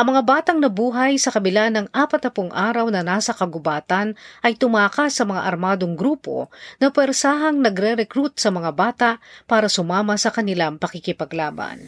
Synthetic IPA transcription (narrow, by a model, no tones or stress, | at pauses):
ʔɐŋmɐŋabaːt̪ɐŋnɐbuːɦɐjsɐkɐbɪlanɐŋʔaːpɐt̪ːɐpʊŋʔaːɾɐwnɐnaːsɐkɐɡʊbaːt̪ɐnʔɐjt̪ʊmaːkasɐmɐŋa̰ʔɐɾmaːd̪oŋɡɾuːpo̞̰nɐpwɛɾsaːɦɐŋnɐɡɾɛɾɛkɾut̪̚sɐmɐŋabaːt̪aʔpaːɾɐsʊmaːmɐsɐkɐnɪlaŋpɐkɪkɪpɐɡlaːbɐ̰n